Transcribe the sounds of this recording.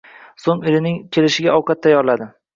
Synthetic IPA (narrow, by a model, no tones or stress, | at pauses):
soŋeɾɪnɪŋkʲʰe̞lɪʃɪɡʲaɒwqʰɑt̪ːʰajːɒɾlad̪ɪ